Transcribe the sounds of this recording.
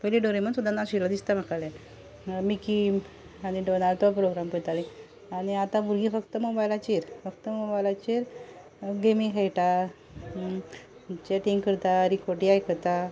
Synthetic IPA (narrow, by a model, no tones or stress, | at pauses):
pəjliɖoɾemənsud̪ʱanasilad̪ist̪am̤akalɛ | miki | añiɖonalʈɔpɾoɡɾampət̪alĩ | aɽ̃iat̪ãbuɾɡifəkt̪əmobajlat͡ɕeɾfəkt̪əmobajlat͡ɕeɾ | ɡemikʰejʈa | t͡ɕeʈiŋɡkəɾt̪aɾikoʈiajkət̪a